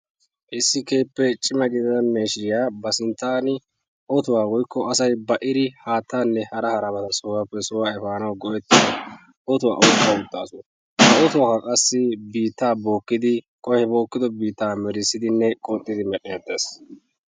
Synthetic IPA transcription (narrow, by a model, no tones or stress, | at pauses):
ʔɪsːɪke̞ːpːɛt͡ʃʼɪmɐɡɪd̪ɐd̪ɐmeːʃɪɾɪjaːbɐsɪnt̪ːaːnɪ | ʔɔt̪ʊwaːwɔjkːɔɐsɐjbɐʔɪɾɪhaːt̪ːaːnːɛhɐɾɐhɐɾɐbɐt̪ɐsʊwapːɛsɔwaːɛfaːnɐwɡɔʔɛt̪ːɪd̪ɔ | ɔt̪ʊwa̰ːʔɔt̪ːaʊt̪ːa̰ːsʊn | hɐɔt̪ʊwaːkɐkʼɐsːɪbiːt̪ːaːbo̞ːkːɪd̪ɪkʼɔhɛbo̞ːkːɪd̪ɔbiːt̪ːaːmɛɾɪsːɪd̪ɪnːɛkʼɔt̪ʼːɪd̪ɪmɛɗeːd̪eːs